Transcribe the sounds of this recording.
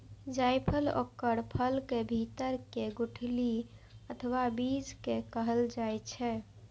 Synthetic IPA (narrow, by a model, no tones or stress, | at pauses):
d͡ʒajpʰəlo̰kːəɾpʰəlkebʱit̪əɾkeɡuʈʰli | ət̪ʰʋabid͡ʒkekəɦəld͡ʒajt͡ʃʰɛ